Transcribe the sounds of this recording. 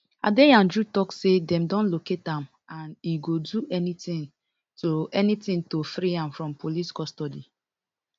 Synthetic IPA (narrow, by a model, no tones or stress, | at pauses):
a̰deãnd͡ʒutɔksedɛ̃mdɔ̃nloketãm | ãniɡoduʔɛnitĩn | toɛnitĩntofɾiãmfɹɔ̃mpoliskɔstɔdi